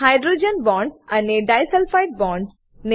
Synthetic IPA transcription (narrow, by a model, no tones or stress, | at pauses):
ɦaɪɖɾud͡ʒə̃nbɔ̃ːɳɖsɛ̃ɳɖeɖaɪsɛlfaɪʈ̚bɔ̃ːɳɖs | ne